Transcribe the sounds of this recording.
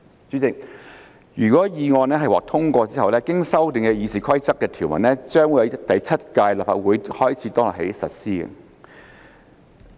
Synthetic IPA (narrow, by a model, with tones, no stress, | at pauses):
t͡syː˨˥t͡sɪ˨k̚ | jyː˨˩kwɔː˨˥jiː˨˧ŋɔː˧nɛː˥ɦɐ˨jwɔ̰ː˨˩k̚t̪ʰʊ˥ŋkʷɔː˧t͡siː˥hɐ˨˩wlɛː˥kɪ˥ŋsɐ˥wt̪ɪ˨ŋkɛ˧jiː˨˧siː˨˩kʰɐ˥jt͡sɐ˥kːɛː˧t̪ʰiː˨˩wmɐ˨˩nlɛː˥t͡sœː˥ŋwu˨˥jɐ˨˧wt̪ɐ˨jt͡sʰɐ˥t̚kaː˧jlaː˨p̚fa̰ː˨t̚wuː˨˥jhɔː˥jt͡sʰiː˨˥t̪ɔː˥ŋlɔ̰˨˩he˨˥jsɐ˨t̚siː˥ɐ̰˧